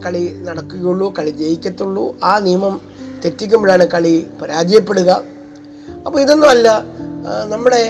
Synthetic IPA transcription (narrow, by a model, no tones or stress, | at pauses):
kɐɭinɐɽɐkːuɣɐjuɭːukɐɭid͡ʑejikʲːɐt̪ːuɭːṵaːnijɐmɐm | t̪e̞tːik̬ʲːumbɐɭaːɳɨkɐɭipɐɾaːd͡ʑɐjɐpːe̞ɽuɣɐ | ɐpːoːiðo̞nːumɐlːɐ | nɐmːuɽe̞